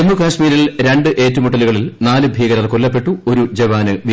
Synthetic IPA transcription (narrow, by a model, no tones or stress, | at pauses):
mːukaːʂmiːɾilɾe̞ɳɖɨʔe̞ːtːumuʈːɐluɣɐɭilnaːlɨbʱiːɣɐɾɐlkolːɐpːe̞ʈːuo̞ɾud͡ʑeʋaːnɨʋi